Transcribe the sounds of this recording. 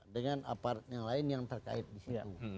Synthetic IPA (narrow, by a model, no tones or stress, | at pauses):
dəŋana̰part̪jaŋlaɪnjaŋt̪ərka̰ɪt̪̚disia̰u